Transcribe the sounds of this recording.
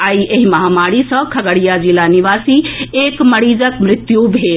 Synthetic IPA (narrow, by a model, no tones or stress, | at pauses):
aːiʔeɦimɐɦamaːɽisʌ̃kʰɐɡəɽijad͡ʒilaniʋaːsiekməɽiːd͡ʒəkmɾɪt̪jubʱeːl